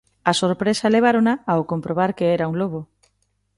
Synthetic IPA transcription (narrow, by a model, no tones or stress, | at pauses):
asoɾpɾesaleβ̞aɾonaːokompɾoβ̞aɾkeɛɾauŋloβo